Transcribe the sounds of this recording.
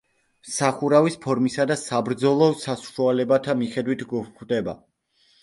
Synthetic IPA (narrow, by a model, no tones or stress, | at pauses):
saχuɾavispʰɔɾmisad̪asabɾd̪zɔlˠɔsasʃwalɛbat̪ʰamiχɛd̪wit̪ʰɡukd̪ɛba̰